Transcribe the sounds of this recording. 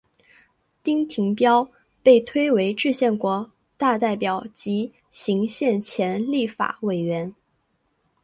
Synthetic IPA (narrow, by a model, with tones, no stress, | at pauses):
t̪i˥ŋt̪ʰi˧˥ŋpjɑ˥ʊ | pe˥˩ɪt̪ʰwe˥ɪwe˧˥ɪʈ͡ʂɻ̩˥˧ɕjɛ˥˩nkwɔ˧˥ | t̪a˥˧t̪a˥˩ɪpjɑ˨˩˦ʊt͡ɕi˧˥ | ɕi˧˥ŋɕjɛ˥˩nt͡ɕʰjɛ˧˥nli˥˩fa̰˨˩we˨˩ɪɥɛ˧˥n